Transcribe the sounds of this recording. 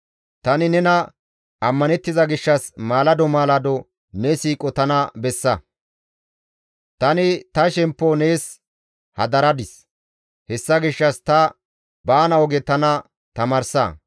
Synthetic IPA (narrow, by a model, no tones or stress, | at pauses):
t̪ɐnɪnɛnɐ | ɐmːɐnɛt̪ːɪzɐɡɪʃːɐsmaːlɐd̪ɔmaːlɐd̪ɔ | nɛsiːkʼɔt̪ɐnɐbɛsːɐ | t̪ɐnɪt̪ɐʃɛmpːɔneːs | hɐ̰d̪ɐɾɐd̪ɪs | hɛsːɐɡɪʃːɐst̪ɐ | baːnɐɔɡɛt̪ɐnɐ | t̪ɐmɐɾsɐ̰